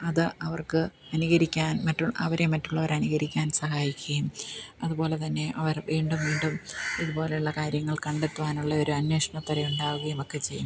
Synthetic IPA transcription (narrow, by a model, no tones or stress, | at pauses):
ɐðɨɐʋɐrkɨ | ɐniɣɐɾikʲːaːnmɐtːuɭɐ̰ʋɐɾe̞mɐtːuɭːɐʋɐɾɐniɣɐɾikʲːaːnsɐɦaːjikʲːɐjumɐðubo̞ːle̞t̪ɐnːe̞ʔɐʋɐrʋiːɳɖumʋiːɳɖumiðupo̞ːle̞uɭːɐkaːɾjɐŋːɐɭkɐɳɖet̪ːuʋaːnuɭːɐo̞ɾuɐnwe̞ːʂɐɳɐt̪ːɐɾɐjuɳɖaːɣuɣɐjemokːe̞t͡ɕe̞jːun